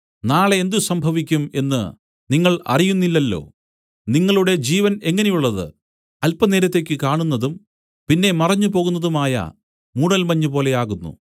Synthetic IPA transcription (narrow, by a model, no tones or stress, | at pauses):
naːɭend̪usɐmbʱɐʋikʲːume̞nːɨ̰ | niŋːɐɭɐ̰rijunːilːɐlːo̞̰ː | niŋːɐɭuɽe̞d͡ʑiːʋɐne̞ŋːɐne̞juɭːɐðɨ̰ | ɐlpːɐneːɾɐt̪ːe̞kʲːɨkaːɳunːɐðum | pinːe̞mɐrɐɲːupo̞ːɣunːɐðumaːjɐ̰ | muːɽɐlmɐɲːupo̞ːle̞jaːɣunːṵ